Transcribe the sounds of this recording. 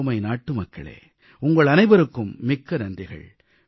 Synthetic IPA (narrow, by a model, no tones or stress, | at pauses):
mɐɪnaːʈːɯmɐkːɐɭḛː | ʊŋɡɐɭɐnɐɪbɐɾɯkːɯmːɪkːɐɾɐnd̪ɪɣɐ̰ɭ